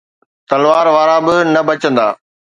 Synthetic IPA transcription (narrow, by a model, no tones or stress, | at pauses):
t̪ɐlʋaːɾʋaːɾabɪnɐbɐt͡ɕə̃nd̪a̰ː